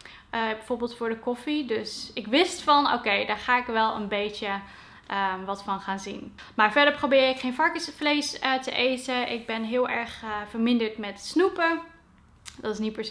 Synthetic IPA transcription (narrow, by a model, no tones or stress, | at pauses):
bɛjv̥oːɹbɪːlˠtfʊːɹdəkɔfidɵsɪkʋɪstfɑno̰wkejdaːɹχaːɪkʋɛlˠə̰nbejtə | ʔəʋɑtfɑnχaːnzin | maːɹvɛdəɹprobɪːɾɪkχejnvɑɹkəsvlejstəʔejtəʔɪɡ̚bɛnɦɪːlˠʔɛɹχv̥əɹmɪndəɹtmɛtsnupə | dɑtɪsnit̚pəɹs